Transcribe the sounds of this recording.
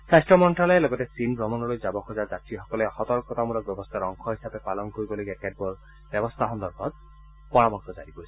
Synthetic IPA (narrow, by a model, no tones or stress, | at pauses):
sajstɹɔmɔntɹalɔjɛlɔɡɔtɛsinbɹɔmɔnɔlojzabɔxʰɔzaɹzatɹixɔkɔlɛxɔt̪ɔɹkɔtamulɔk̚bjɔbɔst̪ʰaɹɔŋkʰɔɦisapɛpalɔnkoɹibɔlojɡɛkɛd̚bɔɹ | bɛbɔst̪ʰaxɔnd̪ɔɹɡʰɔt̚ | pɔɹamɔktɔzaɹipoisɛ